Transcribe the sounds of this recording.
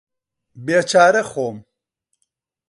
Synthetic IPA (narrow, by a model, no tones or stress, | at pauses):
beːt͡ʃʰaːɾɐxoːm